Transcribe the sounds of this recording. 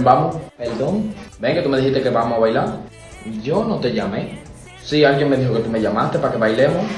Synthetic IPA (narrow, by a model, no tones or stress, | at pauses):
bamopeld̪oŋbeŋke̞t̪umeihist̪ekeβamoaβajlaɾ | ʝo̞not̪e̞ʝame̞ | sialɡjeŋme̞ðixoke̞t̪ume̞ʝamast̪epakeβajlemos